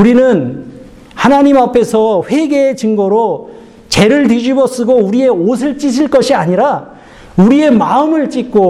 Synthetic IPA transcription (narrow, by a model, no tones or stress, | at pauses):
uɾinɯn | hanaɲimapʰe̞sʰʌɸwe̞ɡe̞ːt͡ɕɯŋɡʌɾo | t͡ɕe̞ɾɯɭtid͡ʑibʌs͈ɯɡouɾie̞os̬ʰɯɭt͡ɕ͈iɕ̬ʰiɭk͈ʌɕʰiaɲiɾa | uɾie̞maɯmɯɭt͡ɕ͈ik͈o